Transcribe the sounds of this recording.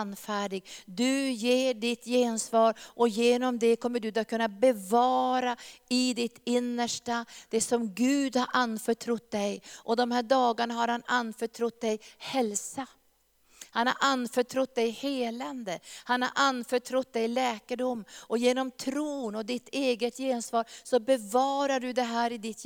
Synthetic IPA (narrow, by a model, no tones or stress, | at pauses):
nːfæːɖɪɡd̪ɵjeːɖɪt̪jeːnsvɑːɾʔɔjeːnɔmd̪ɛkʰɔmːəɖɵd̪akʰːɵnːabɛvɑːɾaɪd̪ɪt̪ɪnːəʂʈad̪̥ɛsɔmɡʉ̟ːd̪haɾʔanːfœʈʰɾʊt̪̚d̪ɛjʔɔd̪ɔmhæːɖɑːɡaɳaɦaɾhananːfœʈʰɾʊt̪̚d̪ɛjhɛlsa | hanha̰ɾʔanːfœʈʰɾʊt̪̚d̪ɛjheːland̪əhanha̰ɾʔanːfœʈʰɾʊt̪̚d̪ɛjlɛːkəɖʊmːɔjeːnɔmt̪ʰɾuːnɔd̪ɪt̪ʰeːɡət̪jeːnsvɑːɾsɔbɛvɑːɾaɖɵd̪ɛɦæːɾɪd̪ɪt̪